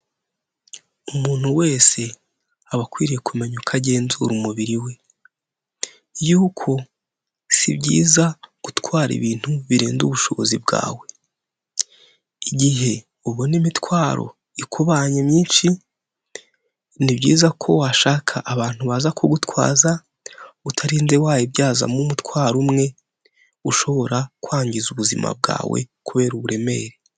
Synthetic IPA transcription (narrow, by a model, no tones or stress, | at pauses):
umuːn̥uwe̞ːse̞ | aβakwiːɾije̞kume̞ɲukʰaɟe̞ːnzuɾumuβiɾiwe̞ | juːkʰo̞ | sḭbɟḭːzaɡ̥utkwaːɾḭβiːn̥huβiɾeːnduβuʃo̞βo̞̰zibɡa̰ːwe̞ | iɟiɦe̞ | uβonimitwaːɾo̞̰ | ikʰuβaːɲemɲiːnʃi | nibɟiːzakʰo̞waʃaːkʰaʔːβaːn̥huβazakʰoɡutwa̰ːza | utʰaɾinzewaːjebɟaːza̰mumutkwaːɾumŋe̞ | uʃo̞βo̞ɾakwaːɲɟizuβuzima̰b̚ɡa̰ːwe̞̰kuβe̞ːɾuβuɾe̞me̞ːɾe